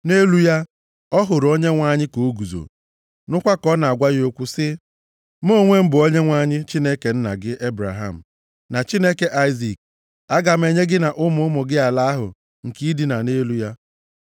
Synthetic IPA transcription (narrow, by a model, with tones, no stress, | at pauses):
ne˦lu˦ja˦ | ɔ˦ɦʊ˨ɾo˦ɲe˦ŋʷa˦ɲɪ˦ko˨˦ɡu˨zo̰˨ | nʊ˦kʷa˦kɔ˦na˨a˨ɡʷa˦jo˦kʷʊ˦sɪ˦ | m̩˦o˦˨ŋʷe˦m̩˦bʊ˨o˦ɲe˦ŋʷa˦˨ɲɪ˦t͡ʃi˦ne˦ke˨n̩˦na̰˨ɡɪ˦ʔe˦bɾa̰˨ɦa˦˨m̩˨ | na˨t͡ʃi˦ne˦ke˨ʔa˦ɪ˦zi˨k̚ | a˦ɡa˨m̩˦e˦ɲe˦ɡɪ˦na˨ʔʊ˦mʊ˦mʊ˨ɡɪ˦a˨la˦a˦ɦʊ̰˨ | ŋ̩˨ki˦di˨na˨ne˦lu˦ja˦